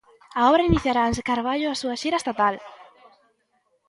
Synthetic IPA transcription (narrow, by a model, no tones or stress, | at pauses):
aɔβɾainiθjaɾaensekaɾβaʎʊasuaʃiɾaest̪at̪al